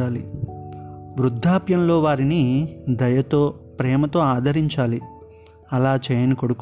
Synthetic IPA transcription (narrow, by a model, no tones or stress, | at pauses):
ɽaːli | ʋɾud̪ʱːaːpjɐmlo̞ːʋaːɾinid̪ɐjɐt̪oːpɾɛːmɐt̪o̞ːaːd̪ʱɐɾiɲt͡ʃaːli | ɐlaːt͡ʃɛːjɐnikoɽuk